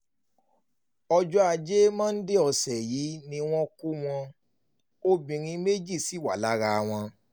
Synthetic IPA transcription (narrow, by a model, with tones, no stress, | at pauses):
ɔ˧d͡ʒɔ˦a˧˨d͡ʒe˦mã˦n̩˦de˦ɔ˧˨sɛ˨ji˨˦nĩ˧w̃ɔ̃˦ku˦w̃ɔ̃˧ | o˦bĩ˨ɾ̃ĩ˧me˦d͡ʒi˦˨si˨˦˨wa˨la˦ɾa˧w̃ɔ̃˧